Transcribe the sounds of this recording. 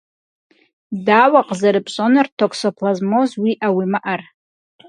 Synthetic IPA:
dawaqʼzaɾɨpʼɕʼonɨrtʰokʰsopʰlazmozwiʔawimaʔar

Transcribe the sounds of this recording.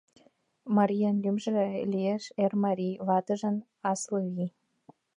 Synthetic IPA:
mɑɾʲijɑnlymʒɘ̆elʲijeʃermɑɾʲijvɑt̪ə̆ʒə̆n | ɑslɤvi

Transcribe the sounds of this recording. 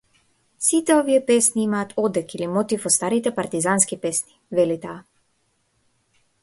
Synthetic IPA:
sit̪ɛɔvijɛpɛsniimaːt̪ʰɔd̪ɛkilimɔt̪ifɔst̪aɾit̪ɛpaɾt̪izanskipɛsni̥vɛlit̪aː

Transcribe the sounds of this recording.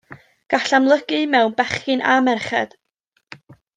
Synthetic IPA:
ɡ̥aɬamlˠəɡɨmɛwnbɛχɨnamɛrχɛ̰d̥

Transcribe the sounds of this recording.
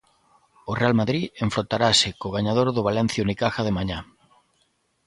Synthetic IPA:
ʊrealmaðɾieɱfɾot̪aɾasɪkoɣaɲaðoɾðʊβalɛn̟θjunikaxaðemaɲa

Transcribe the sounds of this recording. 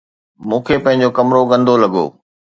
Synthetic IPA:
mũːkʰeːpɐ̃ɦɪ̃ɲ̆d͡ʑokɐmɾoɡɐ̃nd̪olɐɠo̰ː

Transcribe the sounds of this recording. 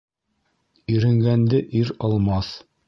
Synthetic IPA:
ɵɾɘ̆ŋɡænd̪ɘʔiɾɑlˠmɑθ

